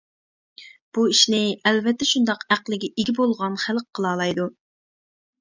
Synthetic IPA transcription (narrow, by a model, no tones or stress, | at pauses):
b̥uiʃnɪɛlvɛt̪ʰːɛʃund̪ɑqæqlˠɪɡʲɛiɡʲibolˠʁɑnχælqqʰːəlˠɑːlˠɑjd̪u